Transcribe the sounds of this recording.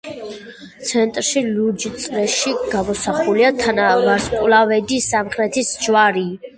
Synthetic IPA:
t̪sʰɛnt̪ʼɾʃilud͡ʒt̪sʼɾɛʃiɡ̥amɔsaχuliat̪ʰanavaɾskʼlavɛd̪isamχɾɛt̪ʰisd͡ʒwaɾi

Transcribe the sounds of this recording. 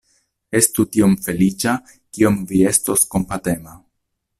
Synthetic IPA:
e̞stutio̞mfe̞lit͡ʃa | kio̞mvie̞sto̞sko̞mpate̞ma

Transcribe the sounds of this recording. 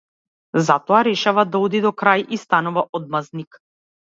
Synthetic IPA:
zat̪ɔaɾɛʃavad̪aɔd̪id̪ɔkɾajʔist̪anuvaʔɔd̪̚maznik

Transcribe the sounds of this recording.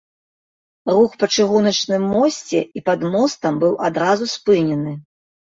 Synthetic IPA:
ruxpɐt͡ʂɨɣunɐt͡ʂnɨmːɔsʲt͡sʲɛipad̪mɔst̪ɐmbɨwʔad̪ɾazuspɨnʲɛnɨ

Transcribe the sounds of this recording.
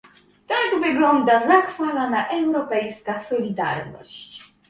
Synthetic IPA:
t̪aɡvɘɡlɔnd̪azaxfalanaʔɛwɾɔpɛjskasɔlʲid̪a̰ɾnɔ̰ɕt͡ɕ

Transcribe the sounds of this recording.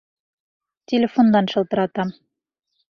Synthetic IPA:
tʲɪlʲɪfond̪ɑnʃɤ̆lˠt̪ɤ̆ɾɑt̪ɑm

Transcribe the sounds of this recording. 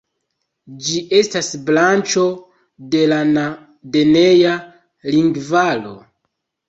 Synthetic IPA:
d͡ʒiʔe̞stasblant͡ʃo̞ | de̞lana | de̞neja | liŋɡvalo̞̰

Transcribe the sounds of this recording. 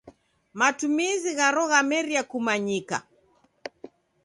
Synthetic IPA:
matumiziɣaɾɔɣamɛɾiakumaɲika̰

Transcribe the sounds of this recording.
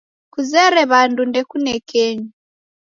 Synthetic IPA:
kuzɛɾɛβandundɛkunɛkʰɛɲi

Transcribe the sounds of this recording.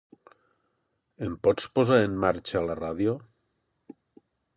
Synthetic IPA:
empɔt͡spozaɾemːaɾt͡ʃalaraðjo

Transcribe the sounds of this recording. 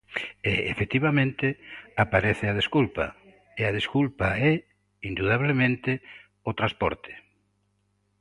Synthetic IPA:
eḛfek̚t̪iβamẽnt̪ɪapaɾɛθɪað̞eskulpa̰ | eaðeskulpaɛ | ind̪uðaβ̞lemẽnt̪ɪ | ot̪ɾaspɔ̰ɾt̪ʰe̥

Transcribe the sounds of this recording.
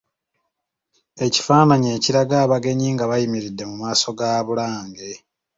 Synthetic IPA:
e̞ci̥faːnaɲe̞ːciɾaɡaːβaɡe̞ɲiːŋɡaβajimiɾidːe̞mumaːso̞ɡaːβulaːŋɡe̞

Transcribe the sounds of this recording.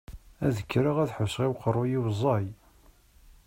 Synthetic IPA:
æðəkːɾaʁæðħəsʁiwqərˤːʊjiwzˤːɑj

